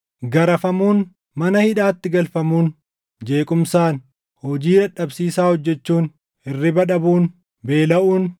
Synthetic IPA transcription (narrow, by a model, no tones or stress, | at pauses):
ɡɐɾɐfɐmuːn | mɐnɐhɪᶑaːt̪ːɪɡɐlfɐmuːn | d͡ʒe̞ːkʼʊmsaːn | hɔd͡ʒiːᶑɐᶑɐbsiːsaːhɔd͡ʒːɛt͡ʃːuːn | ɪrːɪbɐᶑɐbuːn | be̞ːlɐʔuːn